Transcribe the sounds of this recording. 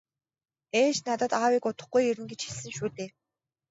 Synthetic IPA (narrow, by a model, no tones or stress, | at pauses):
eːʃnat̪ə̆t̪aːwiːkʊt̪ə̆χɡujeɾɘ̆nɡet͡ɕxiɮsɘ̆ŋʃuːt̪eː